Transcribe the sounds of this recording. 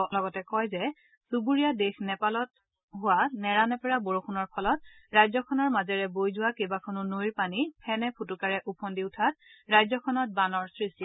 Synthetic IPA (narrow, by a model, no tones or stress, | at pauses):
lɔɡɔtɛkɔjzɛ | subuɹijadexnɛpalɔt̚ | ɦʊwanɛɹanɛpɛɹaboɹokʰunɔɹpʰɔlɔt̚ɹajzɔkʰɔnɔɹmazɛɹɛbojzʊwakebakʰɔnʊnojɹpanipʰɛnɛpʰutukaɹɛʔupʰɔndiʊtʰat̚ɹajzɔkʰɔnɔt̚banɔɹsɹisti